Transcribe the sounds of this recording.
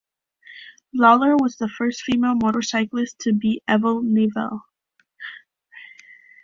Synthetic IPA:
lɑlˠə˞wʌzðəfɜ˞stfimeɪlˠmɔɾə˞saɪklˠɨstʰɨbiʔɛvl̩ˠnevɛ̰lˠ

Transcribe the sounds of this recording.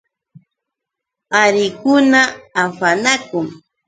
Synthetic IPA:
aɾɪkʊnaːfanakʊŋ

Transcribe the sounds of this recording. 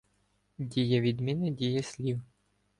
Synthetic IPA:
dʲijɐʋʲid̪mʲinɪdʲijɐsʲlʲiw

